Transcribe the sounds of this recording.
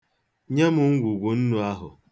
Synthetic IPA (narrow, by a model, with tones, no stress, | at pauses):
ɲe˦mʊ˨˦ŋ̩˦ɡʷu˨ɡʷu˨n̩˦nu˦a˦ɦʊ̰˨